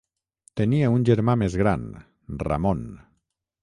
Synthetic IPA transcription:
t̪enieunʲʒeɾmamezɣɾan | ra̰mon

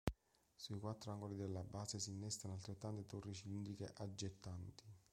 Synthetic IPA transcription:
suikwat̪ːɾoaŋɡolid̪elːabaːsesiːnːɛst̪anoalt̪ɾet̪ːant̪et̪orːit͡ʃilind̪ikḛʔad͡ʒːet̪ːant̪i̥

